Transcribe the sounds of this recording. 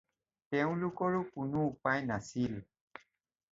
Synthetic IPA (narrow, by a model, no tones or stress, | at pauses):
tɛʊ̃lʊkɔɹʊkʊnʊupajnasil